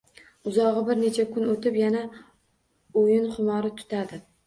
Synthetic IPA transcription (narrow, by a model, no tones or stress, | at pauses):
ʊzɒʁɨbɪɾne̞t͡ʃʰakʰʊnot̪ɪpjana | ʊjɪnχʊmɒɾɪt̪ʰʊ̥t̪ʰad̪ɪ